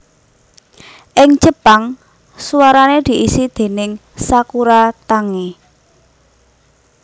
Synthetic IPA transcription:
ʔɪŋt͡ʃəpaŋ | suwaɾaned̪̥i̤ʔisid̪̥e̤nɪŋ | sakuɾat̪aŋe

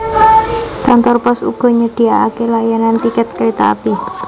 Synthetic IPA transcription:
kant̪ɔrpɔsṵɡ̥ɔ̤ɲəɖ̥i̤aakelajanant̪ikɛt̪̚kɾet̪a̰a̰pi

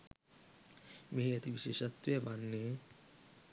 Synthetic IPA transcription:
meɦiɐt̪iʋiʃeːʃɐt̪ʋeʋanːe

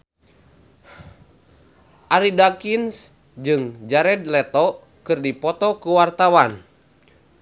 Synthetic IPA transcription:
ʔaɾidakins | d͡ʒɨŋd͡ʒaɾɛd̪lɛt̪ɔ | kɨrdipɔt̪ɔkuwart̪awan

